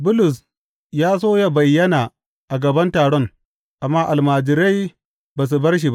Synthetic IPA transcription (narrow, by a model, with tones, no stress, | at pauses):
bʊ˦lʊ˨s̬ | jaː˦s̬oː˦ja˨bɐ˨jːɐ˦naː˨ | ʔa˨ɡɐ˨bɐ˦ntaː˨ɽɔ˦ŋ | ʔa˨mːaː˦ʔa˨lmaː˨d͡ʒɪ˨ɾa˦j | baː˨s̬u˨bɐ˦rʃ̬i˨ba˦ʔ